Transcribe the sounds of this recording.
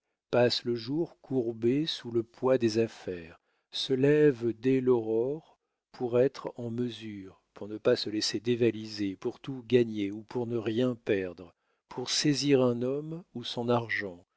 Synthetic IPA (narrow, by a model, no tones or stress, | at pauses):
pasləʒuʁkʰuʁbesuləpwad̪ezafɛʁ | səlɛvd̪ɛlɔʁɔʁ | pʰuʁɛt̪χɑ̃məzyːʁpuʁnəpasəlesed̪evalizepuʁt̪uɡaɲeupuʁnəʁjɛ̃pɛʁd̪ʁə | pʰuʁseziʁɛ̃nɔmusɔ̃naʁʒɑ̃